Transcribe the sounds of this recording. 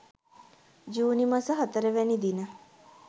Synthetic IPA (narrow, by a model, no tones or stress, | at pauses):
d͡ʒuːnimɐsəɦɐt̪əɾeʋenid̪inə